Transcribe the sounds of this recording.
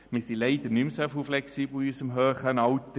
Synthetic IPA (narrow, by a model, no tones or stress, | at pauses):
miːsilɛɪdənymsɛfuflɛksiːbl̩yːsəmɦøːχəənɑwtə